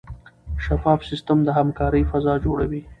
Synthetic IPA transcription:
ʃafɑːfsɪst̪əmd̪əɦamkɑːɾəjfazɑd͡ʒoɽawi

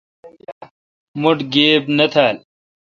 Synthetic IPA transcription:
mʊʈɡeːbnɐt̪ʰaːl

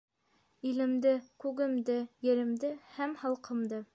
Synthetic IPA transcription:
ilɘ̆md̪ɘkʉɡɘ̆md̪ɘjɘ̆ɾɘ̆md̪ɘhæmhɑlˠqɤ̆md̪ɤ

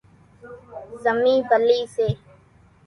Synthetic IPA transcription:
zəmiːbəliːseː

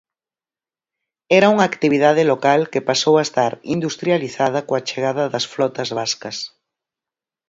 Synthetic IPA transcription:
ɛɾɐuŋaːkt̪iβiðaðɪlokalkepasowaest̪aɾind̪ust̪ɾjaliθað̞ɐkoat͡ʃeɣ̞aðɐðɐsflɔt̪ɐzβaskɐs

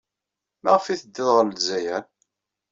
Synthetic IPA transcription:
mæʁfiθəd̪ːɪðˤʁələzæjæn

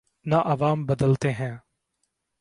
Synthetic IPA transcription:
naʔɐʋaːmbəd̪əlt̪eːɦɛ̃ː

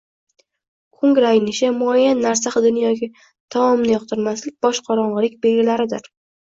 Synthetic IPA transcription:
kʰʊŋɡʲɾajnɪʃɪmʊajːanːaɾs̬aχɨd̪ɪnjɒkʲɪ | t̪ʰamɒmnɪjɒqt̪ʰɪɾmaslɪk̚ʲbɒʃqʰɒɾɒɴʁɨlɪk̚ʲbeɡʲɪlaɾɪd̪ɪɾ

